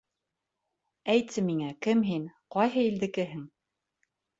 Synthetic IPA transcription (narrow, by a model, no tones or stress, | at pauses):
æjt̪sɘmiŋækɘmɦinqɒjɦɤild̪ɘ̆kɘɦɘŋ